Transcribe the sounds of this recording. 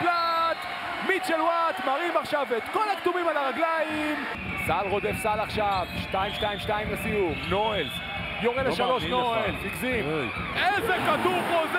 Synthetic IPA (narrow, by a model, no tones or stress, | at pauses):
lat̪ | mit̪ʃelwat̪maʁimaχʃavet̪ko̞lakt̪umimalaʁaɡlajim | salʁod̪efsalaχʃavʃtajimʃtajimʃtaimlesijuvnoel | joʁeleʃalo̞ʃnoelpikzim | ezekat̪uχoz